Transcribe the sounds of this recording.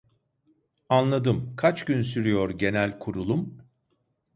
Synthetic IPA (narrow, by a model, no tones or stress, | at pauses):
anlˠad̪ɯmkʰat͡ʃɟynsyɾijo̞ɾɟe̞nælʲkʰuɾulˠum